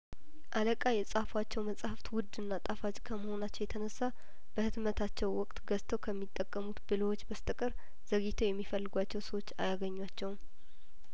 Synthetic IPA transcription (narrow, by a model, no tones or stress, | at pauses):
ʔaləkʼajɛsʼafwat͡ʃːɛwməsʼahaft̪wʊd̪ɨnːat̪ʼafat͡ʃʼkʰəməho̞nat͡ʃːɛwjɛt̪ʰənəsːa | b̥əhɨd̪mət̪ʰat͡ʃːɛwwɔkʼt̪ɡəst̪ʰəwkʰəmːit̪ʼːəkʼːəmut̪bɨləwot͡ʃːbəst̪ʼəkʼɨɾ | z̥əɡit̪ʰojɛmːifəlːɨɡʷat͡ʃːɛwsəwo̞t͡ʃːa̰jaɡəɲːwat͡ʃːɛwm